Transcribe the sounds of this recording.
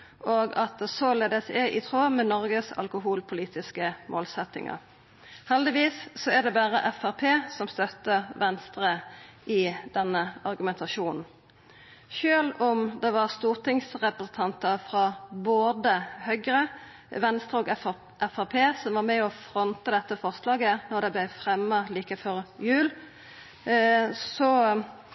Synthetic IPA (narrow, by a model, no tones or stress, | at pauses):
oːɡɑt̪sɔleːd̪əsɛʔɪt̪ʰʁoːmɛnɔʁɡəsɑ̰lkʊɦuːlpʰʊliːt̪ɪskəmʔo̰ːlsɛt̪ɪ̰ŋʔɑ̰ | hɛld̪ɪʋiːsːɔæd̪ɛbæːʁə̰ʔɛfæʁpʰeːsɔmst̪œt̪ːəʋɛnst̪ʁəʔɪd̪̥ɛnːəɑʁɡʉmɛnt̪ʰɑʃuːnn̩ | ʃøːlɔmd̪ɛʋɑʁst̪uːʁt̪ɪŋsʁɛpɾəsn̩t̪ʰɑnt̪əfʁɑboːd̪əhœɡɾə | ʋɛnst̪ʁəɔːɡ | ʔɛfæʁpʰeːsɔmʋɑʁmɛɔfʁɔnt̪əd̪ɛt̪ːəfɔʁslɑːɡənɔʁd̪ɛblæɪfɾɛmːəliːkəfɔʁjʉːl | sɔ